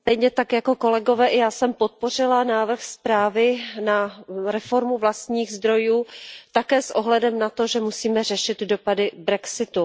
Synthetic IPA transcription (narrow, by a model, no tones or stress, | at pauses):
st̪ɛjɲɛt̪akjako̞ko̞lɛɡo̞vɛːʔɪjaːsɛmpot̪̚po̞r̝ɪlanaːvr̩xspɾaːvɪnaɾɛfo̞ɾmuvlast̪ɲiːɣzd̪ɾo̞juːt̪akɛːsʔoɦlɛdɛmnat̪o̞ʒɛmusiːmɛrɛʃɪd̪do̞padɪbɾɛksɪt̪u